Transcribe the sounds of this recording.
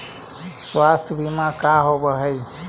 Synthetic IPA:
swast̪ʰbʱimakaɦobəɦəj

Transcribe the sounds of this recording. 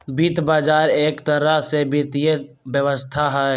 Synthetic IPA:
biːt̪baːd͡ʒaːɾeːkt̪əɾasebit̪je | bjəʋəst̪ʰaɦɛ

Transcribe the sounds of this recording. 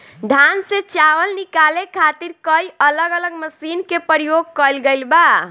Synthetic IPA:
ɖʱanset͡ʃaʋəlnikalekʰat̪iɾkəiələɡələɡməsinkepəɾijoɡ̚kəlɡejlba

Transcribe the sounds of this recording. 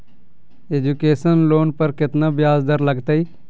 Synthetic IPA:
eːd͡ʒukeːsənloːnpəɾkɪt̪naːbjaːzd̪əɾləɡt̪aːiː

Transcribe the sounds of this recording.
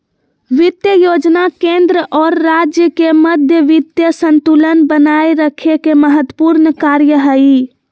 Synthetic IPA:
ʋid̪jəjod͡ʒnakẽnd̪ɾəʔɔɾːad͡ʒjəkeməd̪ʱjəʋid̪jəsənt̪ulənbənajɾəkʰekeməɦət̪ːəpuɾnkaɾjəɦəi

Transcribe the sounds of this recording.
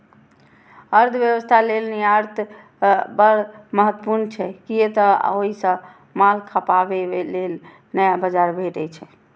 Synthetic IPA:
əɾd̪ʱʋjəʋəst̪ʰalelnijaɾt̪ʰ | bəɾməɦət̪ːəpuɾnt͡ʃʰɛkijet̪əoɦisə̃ | malkʰəpabeelel | nəjabəd͡ʒaɾbʱeʈət͡ʃʰɛ

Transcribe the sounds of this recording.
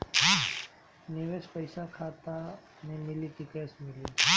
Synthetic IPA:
niʋespəjsakʰat̪a | nemɪlik̪ikesmɪli

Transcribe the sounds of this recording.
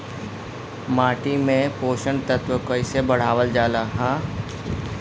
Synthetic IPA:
maːʈimẽpoːʃə̃ɳɖt̪ət̪wəkəɪsebɐɽ̤aːʋəld͡ʒaːlaɦãː

